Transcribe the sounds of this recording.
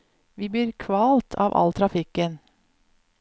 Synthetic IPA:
ʋiːb̪iːɾkʰʋɑːlt̪ʰɑ̰ːʋʔɑ̰lt̪ʰɾɑfɪkən

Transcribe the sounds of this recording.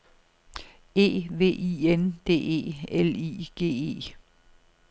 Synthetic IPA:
e̝̰ːʋe̝̰ːiend̥e̝̰ːe̝̰ːelḭːɡ̥e̝̰ːe̝̰ː

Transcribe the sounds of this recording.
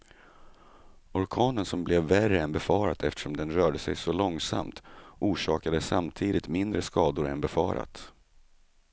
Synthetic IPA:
ɔɾkʰɑːnənsɔmblɛvːærəɛnbɛfɑːɾat̪ʰɛft̪ə̥ʂɔmd̪ɛnɾœːɖəsɛ̰jsɔlɔŋsa̰mt̪ʔuːʂɑːkad̪əsːamt̪ʰiːd̪ɪt̪mɪnd̪ɾəskɑːd̪ʊɾɛ̰nbɛfɑ̰ːɾa̰t̪

